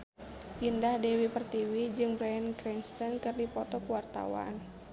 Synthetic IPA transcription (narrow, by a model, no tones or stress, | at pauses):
ʔindahdɛwipərt̪iwid͡ʒɨŋbɾaənkɾɛnst̪ɔnkɨrdipɔt̪ɔkuwart̪a̰wa̰n